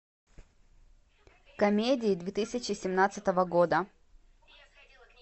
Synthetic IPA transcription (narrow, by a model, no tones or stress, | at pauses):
kɐmʲedʲɪːd̪vʲet̪ɨsʲɪt͡ɕɪsʲɪmnat̪sɨt̪əvəɡo̞d̪ə